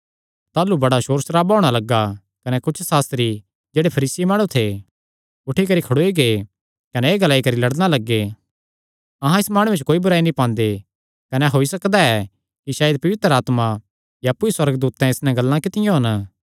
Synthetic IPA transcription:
t̪aːlubɐɽaʃoːɾsɾaːbɔːɽ̃alɐɡːa | kɐnɛkʊt͡ʃʰsaːst̪ɾi | d͡ʒeːɽepʰɐɾiːsimãːɽ̃ũt̪ʰe | ʊʈʰikɐɾikʰɐɽoːiɡe | kɐnɛeːɡɐlaːikɐɾilɐɽnalɐɡːe | ɐɦãɪsmaːɽ̃ũet͡ʃʰkoːibʊɾaːinĩpãːnd̪e | kɐnɛɦoːisɐkd̪aɛ | kiʃaːjd̪pɐʋɪt̪ɾaːt̪ma | jaːpːuiswɐɾəɡd̪uːt̪ːɛ̃ɪsnɛ̃ɡɐlːãkɪt̪ɪjõɦɐn

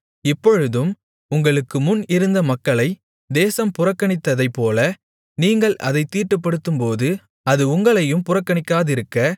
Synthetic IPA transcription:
ɪpːɔɻɯðɯm | ʊŋɡɐɭɯkːɯmʊnɪɾɯnd̪ɐmɐkːɐɭɐɪ | d̪eːsɐmpʊrɐkːɐɳɪt̪ːɐðɐɪpːoːlɐ | niːŋɡɐɭɐ̰ðɐɪt̪ːiːʈːɯp̬ːɐɽɯt̪ːɯmpoːðɯ | ɐðɯʊŋɡɐɭɐjɯmpʊrɐkːɐɳɪkːaːðɪɾɯkːɐ

